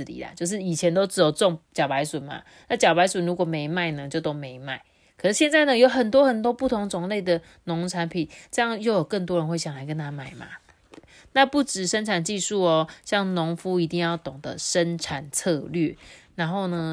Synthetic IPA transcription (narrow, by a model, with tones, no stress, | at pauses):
lḭ˨˩la̰˨t͡ɕjo˥˧ʊʂ̬ɻ̩˥˩i˨˩t͡ɕʰjɛ˧˦nt̪o˥ʊʈ͡ʂɻ̩˧˥jo˨˩ʊt͡sɔ˥˧ŋt͡ɕjɑ˨˩ʊpa˧˥ɪswʊ˨˩nma̰˨ | na˥˨t͡ɕjɑ˨˩ʊpa˧˥ɪswʊ˨˩nɻu˧˥kwɔ˨˩me˧˥ɪma˥˩ɪnə˨t͡ɕjo˥˧ʊt̪o˥ʊmẽ˧˥ɪma˥˩ɪ | kʰɤ˨˩ʂ̩˥˩ɕjɛ˥˧nt͡sa˥˩ɪnə˨jo˧˥ʊxə˨˩nt̪wɔ˦˥xə˨˩nt̪wɔ˥pu˥˩t̪ʰʊ˧˦˥ŋt͡sʊ˧˩ŋle˥˩ɪd̪ə˩ | nʊ˧˥ŋʈ͡ʂʰa˧˦˥npʰi˨˩nʈ͡ʂɤ˥˧jɑ˥˧ŋjo˥˩ʊjo˨˩ʊkə˥˩nt̪wɔ˥ɻə˧˦nxwe˥˩ɪɕja˨˩ŋla˨˦ɪkə˧˦nt̪ʰa˥ma˥˩ɪma̰˨˩ | t̪e˥˩ | na˥˧pu˥˩ʈ͡ʂɻ̩˨˩ʂə˦nʈ͡ʂʰa˨˩nt͡ɕi˥˧ʂu˥˩ɔ˨ɕjɑ˥˩ŋnʊ˧˦ŋfu˦i˧˥t̪i˥˧ŋjɑ˥˩ʊt̪ʊ˨˩ŋd̪ə̰˨ʂə˦˥nʈ͡ʂʰa˨˩nt͡sʰɤ˥˧lɥø˥˩na˧˦˥nxo˥˩ʊnə˩